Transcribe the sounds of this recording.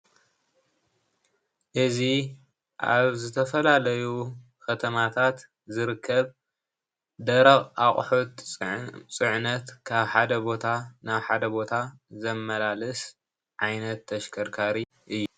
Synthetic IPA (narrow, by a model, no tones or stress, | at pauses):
ʔɨzi | ʔa̰βzɨt̪ʰɐfɐlalɐju | kʰɐt̪ʰɐmat̪ʰat̪ | zɨɾɨkʰːɐβ | d̪ɐɾɐχʼaχʼħot̪ | t͡sʼɨʕnɐt̪kʰaβħad̪ɐbo̞t̪ʰanaβħad̪ɐbo̞t̪ʰa | zɐmːɐlalɨs | ʕajnɐt̪ʰːɐʃkʰɐɾkʰaɾi | ʔɨjːu